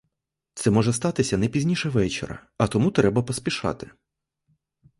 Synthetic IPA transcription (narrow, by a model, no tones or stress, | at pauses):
t̪sɛmɔʒɛst̪ɑt̪ɪsʲɐnɛpʲizʲnʲiʃɛʋɛt͡ʃḛɾɐ̰ɐt̪ɔmut̪ɾɛbɐpɔsʲpʲiʃɑ̰t̪ɪ